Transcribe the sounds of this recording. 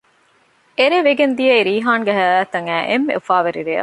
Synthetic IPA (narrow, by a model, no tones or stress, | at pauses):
eɾeʋeɡend̪ijɐiɾiːɦaːŋɡeɦæːlæːt̪ɐŋæːʔemːḛufaːʋeɾiɾeːɐ̰